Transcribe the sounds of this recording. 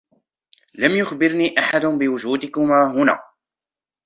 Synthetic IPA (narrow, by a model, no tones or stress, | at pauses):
lamjʊxbɪɾniːʔaħad̪ʊnbɪwʊd͡ʒuːd̪ɪkʊmaːɦʊna̰ː